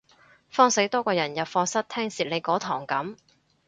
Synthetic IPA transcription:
fɔː˥ŋse˨˥t̪ɔː˥kɔː˧jɐ˨˩njɐ˨˩wfɔː˧sɐ˥t̚t̪ʰɛː˥ŋsiː˨˩le˨˧jkɔː˨˥t̪ʰɔː˨˩ŋkɐ˨˥m

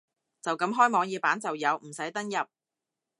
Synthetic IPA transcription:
t͡sɐ˨wkɐ˨˥mɦɔː˥jmɔː˨˧ŋjiː˨˧paː˨˥nt͡sɐ˨wjɐ˨˧wm̩˨˩sɐ˨˥jt̪ɐ˥ŋjɐ˨p̚

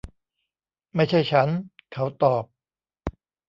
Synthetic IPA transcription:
ma˥˩jt͡ɕʰa˥˩jt͡ɕʰa˦˥nkʰa˦˥wt̪ɔː˨˩p̚

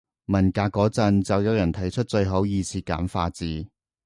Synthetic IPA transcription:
mɐ˨˩nkaː˧kːɔː˨˥t͡sɐ˧nt͡sɐ˨wjɐ˨˧wjɐ˨˩nt̪ʰɐ˨˩jt͡ʃʰɵ˥t̚t͡ʃɵ˧ɥɦo˨˥wjiː˨˧t͡sʰiː˧ka̰ː˨˥mfaː˧t͡siː˨˧

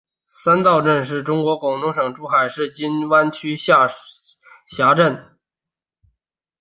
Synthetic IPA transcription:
sa˥nt̪ɑ˥˧ʊʈ͡ʂə˥˧nʂ̬ɻ̩˥˩ʈ͡ʂʊ˥ŋkwɔ˧˥kʊ˨˩ŋlʊ˧˥ŋʂɤ˨˩ŋʈ͡ʂu˧˥xa˨˩ɪʂɻ̩˥˩t͡ɕi˥nwa˥nt͡ɕʰy˥ɕ | ɕja˧˥ʈ͡ʂə˥˩n

